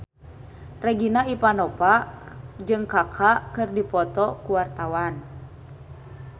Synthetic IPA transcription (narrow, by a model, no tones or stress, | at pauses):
rɛɡinaipanɔpa | d͡ʒɨŋkakʰakɨrdipɔt̪ɔkuwart̪awan